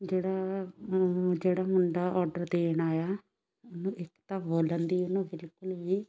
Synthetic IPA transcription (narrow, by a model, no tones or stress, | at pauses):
d͡ʒeːɽaː | d͡ʒeːɽaːmʊɳɖaːʔɔːɾɖəɾd̪eːɳaːjaː | ʊnũːʔɪkt̪aːboːlənd̪iːʊnũːbɪlkʊlʋiː